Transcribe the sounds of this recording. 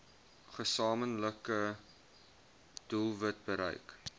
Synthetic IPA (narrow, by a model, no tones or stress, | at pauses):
χəsɑːmənləkə | d̥ulˠvət̚bəɾə̰jk